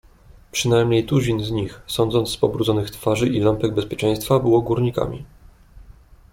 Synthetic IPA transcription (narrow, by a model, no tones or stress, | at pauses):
pʂɘnajmɲejt̪uʑinzɲixsɔnd̪zɔnt̪sspɔbɾud̪zɔnɘxt̪faʐɘʔilampɛɡ̚bɛspʲjɛt͡ʂɛ̃j̃st̪fabɘwɔɡuɾɲika̰mʲḭ